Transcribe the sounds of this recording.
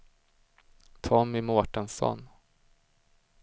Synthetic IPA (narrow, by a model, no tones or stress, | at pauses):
t̪ʰɔmɪmoːʈənsɔ̰n